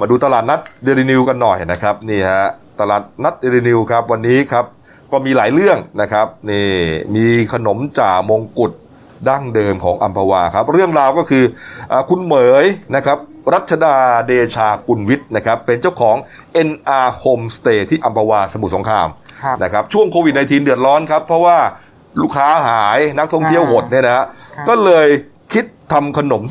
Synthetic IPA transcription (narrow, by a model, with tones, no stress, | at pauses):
maː˧duː˧t̪a˧laː˨˩t̪̚na˦˥t̪̚de˧li˧ni˧wka˧nːɔ˨˩jna˦˥kʰa˦˥p̚niː˥˩hɛ˦˥t̪a˧laː˨˩t̪̚na˦˥t̪̚de˧liː˧ni˧wkʰa˦˥p̚wa˧nːiː˦˥kʰa˦˥p̚ | kɔː˥˩miː˧laː˩˦jɾɯ˥˩əŋna˦˥kʰa˦˥p̚niː˥˩miː˧kʰa˧no˩˦mt͡ɕaː˨˩k̚mo˧ŋku˨˩t̪̚ | daː˥˩ŋdɤː˧mkʰɔː˩˦ŋʔa˧mpʰa˧waː˧kʰa˦˥p̚ɾɯ˥˩əŋɾaː˧wkɔː˥˩kʰɯː˧ʔaː˨˩kʰu˧nmɤː˨˩˦jna˦˥kʰa˦˥p̚ɾa˦˥t̪̚t͡ɕʰa˧daː˧deː˧t͡ɕʰaː˧ku˧nwi˦˥t̪̚na˦˥kʰa˦˥pːe˧nt͡ɕa˥˩wkʰɔː˩˦ŋ | ʔe˧nʔaː˧hoː˧mst̪eː˧t̪ʰiː˥˩ʔa˧mpʰa˧waː˧sa˧mu˨˩so˩˦ŋkʰɾa̰ː˧mna˦˥kʰa˦˥p̚t͡ɕʰu˥˩əŋkʰoː˧wi˨˩na˧jt̪ʰiː˧ndɯ˨˩ə˩t̪̚ɾɔː˦˥nkʰa˦˥pʰːɾɔ˦˥waː˥˩ | luː˥˩kʰaː˦˥ɦaː˩˦jna˦˥k̚t̪ʰɔ˥˩ŋt̪ʰi˥˩əwɦo˨˩t̪̚ni˥˩əna˦a˥kɔː˥˩lɤː˧j | kʰi˦˥t̪̚ʰːa˧mkʰa˧no˩˦m